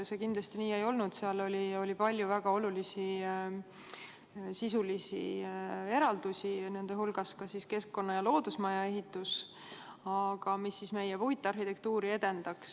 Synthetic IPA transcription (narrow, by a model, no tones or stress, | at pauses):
se̞kind̪lɑst̪iniːe̞jo̞lnud̪̥seɑlo̞lʲio̞lʲipɑlʲjuvæɡ̥ɑo̞lulisi | sisulisḭe̞ɾɑld̪̥usʲine̞nd̪̥eɦulɡ̥ɑskɑsiske̞skkːo̞nːɑjɑlo̞ːd̪usmɑjɑe̞ɦit̪ːˑus | ɑɡ̥ɑmisːisme̞jepuɦit̪ːˑɑrhit̪e̞k̚t̪uːɾie̞d̪̥e̞nd̪̥ɑks